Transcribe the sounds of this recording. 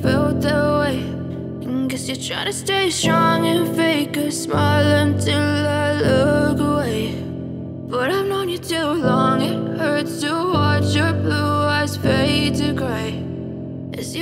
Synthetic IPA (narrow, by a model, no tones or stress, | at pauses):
fɪlˠd̪̚ðəweɪ | nkʌzjɨtʰɹ̥aɪɾɨsteɪstɹ̥ɔ̃ŋɨ̃nfeɪkɨsmaɪlˠə̃ntʰɪlˠəloɡəweɪ | b̥ʌɾaɪvnõʊ̃njɨtʰulɔ̃ŋɪt̚hə˞dzstʰəwɑt͡ʃjə˞bluaɪz̥feɪtɨɡɹeɪ | ɨzjɨ